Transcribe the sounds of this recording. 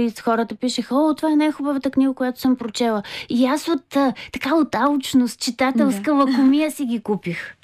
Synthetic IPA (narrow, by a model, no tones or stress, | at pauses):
isxɔɾət̪əpiʃəxɔt̪ovaɛnajxubəvət̪əkniɡəkʊjat̪o̥səmpɾot͡ʃɛlˠəiasot̪ːɐkaot̪aut͡ʃnost̪̚t͡ʃit̪at̪ɛlˠskəlˠɐkomijəsiɡʲikupix